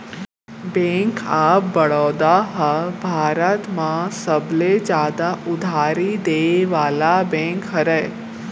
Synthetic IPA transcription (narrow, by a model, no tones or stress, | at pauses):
bẽːŋkʰaːp̚bəɽɔːd̪aɦəbʱaːɾət̪mãsəbled͡ʒaːd̪aʊd̪ʱaːɾid̪eːʋaːlabẽːŋkɦəɾəj